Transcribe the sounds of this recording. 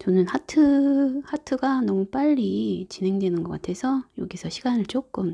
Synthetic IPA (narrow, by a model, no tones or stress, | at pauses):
t͡ɕʌnɯnhatʰɯhatʰɯɡanʌmup͈aʎːit͡ɕinɦe̞ŋdwe̞nɯnɡʌk͈atʰe̞sʰʌjoɡisʰʌɕʰiɡanɯɭt͡ɕ͈ok͈ɯm